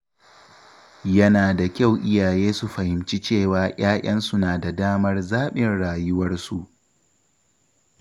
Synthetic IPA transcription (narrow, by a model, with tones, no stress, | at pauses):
jɐ˦naː˨da˨kʲa˦˨wʔɪ˦jaː˨jeː˦su˨ɸɐ˨hɪ˨mt͡ʃi˦t͡ʃeː˦˨waː˨j̰aː˦ʔʲɐ˦nsʊ˦naː˨da˨daː˦mɐ˦rzaː˦ɓɪ˨nɽaː˨jʊ˦wɐ˦rsu˨ʔ